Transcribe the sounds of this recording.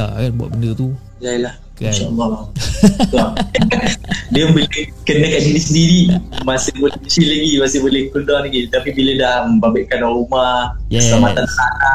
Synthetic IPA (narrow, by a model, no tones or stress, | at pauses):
a̰kanbua̰ʔ̚bəndət̪u | jalah | inʃaʔəlːɔlat̪a | diəmbəlehkənəkaʔd͡ʒinisəndiɾimasɪbolɪt͡ʃilaɡimasɪbolɪhkundɔlaɡit̪apibilədaməmbabɪʔkanaɾumahəslamat̪anlana